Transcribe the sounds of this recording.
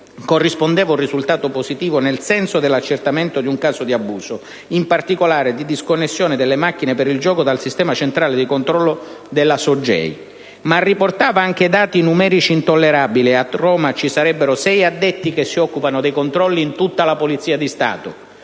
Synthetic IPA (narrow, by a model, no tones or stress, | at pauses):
korːispond̪ɛːvaurːisult̪aːt̪oposit̪iːvonelsɛnsod̪elːat͡ʃːert̪ament̪od̪iuŋkaːsod̪iabuːso | impart̪ikolaːɾed̪id̪iskonːesːjoːnɪd̪elːemak̟ːinepeɾild͡ʒɔːkod̪alsist̪ɛːmat͡ʃent̪ɾaːled̪ikont̪ɾɔlːo | d̪elːasod͡ʒːɛ̰j | marːiport̪aːvaaŋk̟ed̪aːt̪inumɛːɾit͡ʃiːnt̪olːeɾabiliarɔːmat͡ʃisaɾɛbːeɾosɛjad̪ːet̪ːikesːiɔkːupanʊd̪ejkont̪ɾɔlːiːnt̪ut̪ːalapolit̪siːad̪ist̪a̰ːt̪o̰